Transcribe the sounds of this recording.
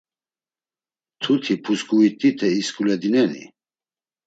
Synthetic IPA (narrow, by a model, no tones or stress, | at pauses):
t̪ʰut̪ʰipʰusɡuit̪ʼit̪ʰɛiskʰʼulɛd̪inɛnḭ